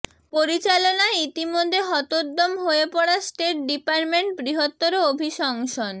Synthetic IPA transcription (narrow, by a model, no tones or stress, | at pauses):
poɾit͡ɕalonaeit̪imod̪ʱːeɦɔt̪od̪omɦoepɔɽasʈeʈ̚ɖipaɾʈmeɳʈ̚bɾiɦot̪ːoɾoobʱiʃɔŋʃon